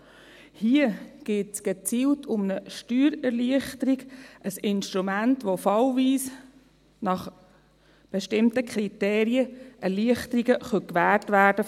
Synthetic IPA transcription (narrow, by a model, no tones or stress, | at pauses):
hiəɡ̥eːtsɡ̥et͡siːltʰʊmnəʃtyːɾɛrliəχtəɾiɡʔəsɪnʃtɾumæntʋofɑlviːs | nɑχ | b̥ɛʃtɪmtəkχɾiteːɾiəʔɛɾliəχtəɾiɡəχœkʋæːɹtʋæːɾd̥ə